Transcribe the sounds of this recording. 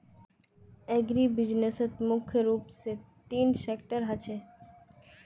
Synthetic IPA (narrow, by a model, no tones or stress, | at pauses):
ɛɡɾibid͡ʑneset̪mukʰːjoɾupse | t̪inʃekʈaɾɦat͡ɕʰe